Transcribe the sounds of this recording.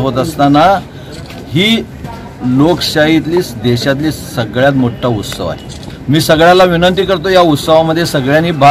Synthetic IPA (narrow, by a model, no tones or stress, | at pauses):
ɦot̪əst̪ana | hiː | lokɕaɦit̪liːsd̪eɕat̪̬liːsəɡɭjat̪moʈʰːaut̪sə̰ʋa̰ɦe | miːsəɡɭjãlaʋinənt̪iːkəɾt̪̬ojaut̪səʋaməd̪ʱːjesəɡɭjaniːba